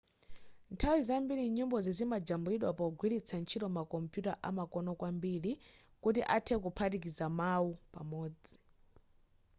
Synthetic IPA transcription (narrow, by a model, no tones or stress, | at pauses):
ntʰawizambiɾiɲumbɔzizimad͡ʒambuɾiɗwapɔɡwiɾit͡sʰant͡ʃʰitɔmakɔmpjutaʔamakɔnɔkwambiɾi | kutiʔatʰɛkupʰatikizamawupamɔːd͡zi